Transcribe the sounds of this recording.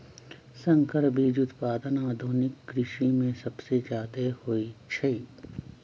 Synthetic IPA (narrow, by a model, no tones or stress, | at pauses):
sɐ̃ŋkəɾbʱid͡ʒʊt̪paːd̪ənaːd̪ʱoːnɪkːɾɪʃimẽsɐbsed͡ʒjaːd̪ehoːit͡ʃʰɐiː